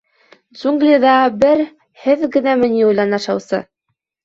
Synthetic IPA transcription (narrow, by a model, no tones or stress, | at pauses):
d̪zuŋɡlʲid̪ɑbɘɾ | hɘðɡɘ̆næmɘ̆niujlˠɑnɑʃɑwsɤ̰